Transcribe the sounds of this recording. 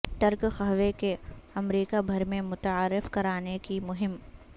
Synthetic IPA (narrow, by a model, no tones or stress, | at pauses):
ʈ̪ɐɾkxɐɦʋekeɐmɾiːkabʱɐɾmẽmʊt̪aːɾːɪfkɐɾaːnekimʊɦɪm